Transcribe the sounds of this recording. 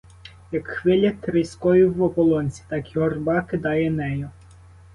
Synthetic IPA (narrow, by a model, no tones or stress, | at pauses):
jɐkxʋɪlʲɐt̪ɾɪskɔjiwɔpɔlˠɔnʲsʲi̥t̪ɑkiɦɔrbɑkɪd̪ɑjɛnɛjʊ